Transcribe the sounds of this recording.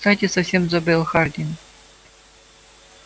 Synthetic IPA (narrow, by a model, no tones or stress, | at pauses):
t̪at̪ʲesɐfsʲemzobʲelˠxard̪ʲinʲ